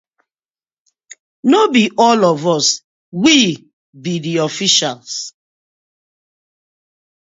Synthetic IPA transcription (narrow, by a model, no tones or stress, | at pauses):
nobiʔɔlɔvɔs | wi | bidiɔfiʃals